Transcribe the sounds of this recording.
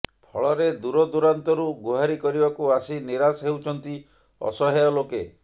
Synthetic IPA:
pʰɔɭɔɾed̪uɾɔd̪uɾant̪ɔɾuɡuɦaɾikɔɾibakuasiniɾasɦewt͡ʃʰɔnt̪i | ɔ̰sɔɦeɔloke

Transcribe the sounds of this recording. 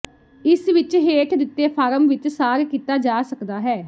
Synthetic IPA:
ɪsʋɪt͡ʃɦeːʈʰd̪ɪt̪ːeːpʰaːɾəmʋɪt͡ʃsaːɾkiːt̪aːd͡ʒaːsəkd̪aːɦɛː

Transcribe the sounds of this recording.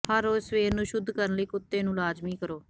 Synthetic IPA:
həɾoːsʋeːɾnũːʃʊd̪ʱːkəɾənləiːkʊt̪ːeːnũːlaːd͡ʒmiːkəɾoː

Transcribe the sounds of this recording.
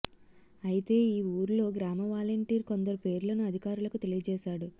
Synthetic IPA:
ɐjit̪e̞ːiːuːɾlo̞ːɡɾaːmɐʋaːlɐɳʈiːɾko̞nd̪ɐɾupe̞ːɾlɐnuɐd̪ʱikaːɾulɐkut̪e̞lijɐd͡ʒɛːʃaːɽu

